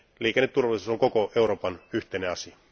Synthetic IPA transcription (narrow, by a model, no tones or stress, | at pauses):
liːkenːet̪t̪urʋɑlˑisusoŋkokoeuɾoːpɑnyht̪eneɑsiɑ